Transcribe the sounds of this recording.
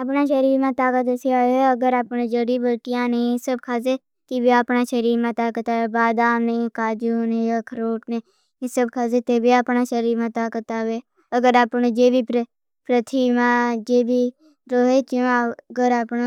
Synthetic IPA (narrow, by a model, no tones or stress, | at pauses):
aːpnãːʃəɾiːɾmãːt̪aːkət̪eseaːeəɡəɾaːpned͡ʒəɽiːbəʈɪjãːnẽːesəb̚kʰaːzeː | kibiaːpnaːʃəɾiːɾmãːt̪aːkət̪aːʋeːbaːd̪aːmnekaːd͡ʒuːneːjaːkʰəɾoːʈneː | esəbkʰaːzet̪eːbʱiaːpnaːʃəɾiːɾmãːt̪aːkət̪aːʋeː | əɡəɾaːpnoːd͡ʒeːbip | pɾət̪ʰiːmãːd͡ʒeːbi | ɾoːɦeːt͡ʃõɡəɾaːpno